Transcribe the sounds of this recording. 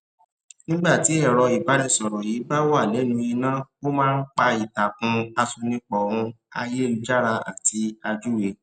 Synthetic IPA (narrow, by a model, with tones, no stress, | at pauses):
nĩ˦ɡ͡ba˦˨ti˨˦ɛ˦˨ɾɔ˧i˨ba˨˦ɾɛ˧˦˨sɔ˨ɾɔ˨ji˨˦ba˦wa˦˨nĩ˨˦nũ˧i˧nã˦o˦mãː˦n̩˦k͡pa˧i˨ta˨kũ˧a˧su˧nĩ˧˦k͡pɔ˨ɾ̃ũ˧ | a̰˧je˦˨u˧d͡ʒa˦ɾa˧a̰˦˨tʰi˧˦a˧d͡ʒu˦we˧